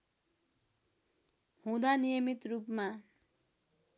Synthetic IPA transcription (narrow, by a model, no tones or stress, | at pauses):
hũd̪anijʌmit̪rupma